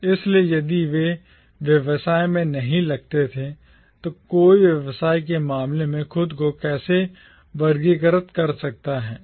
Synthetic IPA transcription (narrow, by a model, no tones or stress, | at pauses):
ɪsliejɐd̪iʋe | ʋjɐʋsaːemẽnɐɦĩlɐɡ̚t̪et̪ʰe | t̪okoːiʋjɐʋsaːik̬emaːmlemẽxʊd̪kokɛːse | ʋɐɾɡiɡəɾət̪kɐɾsɐk̚t̪aɦɛː